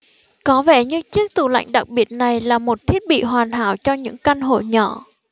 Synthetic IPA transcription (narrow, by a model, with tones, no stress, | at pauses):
kɔ˨˦vɛ˧˩ɲɨ˧t͡ɕɨ˦˥ək̚t̪u˧˩la̰˧˨jŋ̟ɗa˨˩k̚ɓi˨˩ət̚na˨˩jlaː˨˩mo˨˩t̚t̪ʰi˦˥ət̚ɓḭ˧˨ɦwaː˨˩nɦa̰ː˧˩wt͡ɕɔ˧ɲɨ̰˧˥ŋka˧nɦo̰˧˩ɲɔ˧˩˨